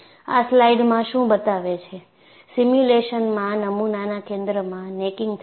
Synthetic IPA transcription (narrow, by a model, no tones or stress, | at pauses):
a̰slaiɖmãʃũbət̪aʋet͡ʃʰe | simjuleʃənmãnəmunanakẽnd̪ɾəmãnekɪŋɡt̪ʰ